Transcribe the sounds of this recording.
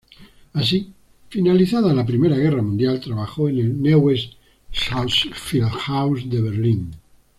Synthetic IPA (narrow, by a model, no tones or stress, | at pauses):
as̬i | finaliθaðalap̬ɾimeɾaɣeramũnd̪jalt̪ɾaβaxoenelnewest̪ː | asfilxawsd̪eβ̞eɾlin